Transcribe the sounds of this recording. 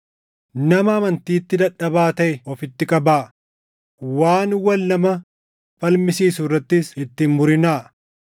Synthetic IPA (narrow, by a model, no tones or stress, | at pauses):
nɐmɐɐmɐnt̪iːt̪ːɪd̪ɐᶑːɐbaːt̪ɐʔɛɔfɪt̪ːɪkʼɐbaː | waːnwɐlːɐmɐ | fɐlmɪsiːsʊrːɐt̪ːɪsɪt̪ːɪnmʊɾɪnaː